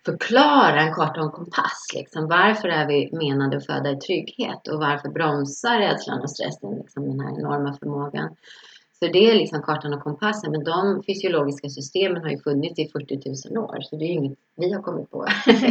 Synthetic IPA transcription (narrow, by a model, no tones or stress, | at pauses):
fœɾkʰlɑːɾaɛnkʰɑːʈːaɔnkʰɔmpʰa̰slɪ̰ksɔmvaɾfœɾæɾvɪmeːnad̪əɔfø̰ːd̪aɾt̪ʰɾʏɡhḛːt̪ʰɔvaɾfœɾbɾɔmsaɾɛːd̪sla̰nɔ̰st̪ɾɛ̰sːənlɪ̰ksɔmd̪ɛnhæ̰ɾɛ̰nɔɾmafœɾmoːɡa̰nsɔd̪ɛælɪksɔmkʰɑːʈːanɔkʰɔmpʰasːənmɛnd̪ɔmfʏsɪʊloːɡɪskasʏst̪eːmənhaɾjɵfɵnːɪt̪sɪfɵʈːɪt̪ʰʉ̟ːsəno̰ːɾsɔd̪ɛːɵɪŋːət̪ | vɪhaɾkʰɔmːɪt̪̚pʰɔ̰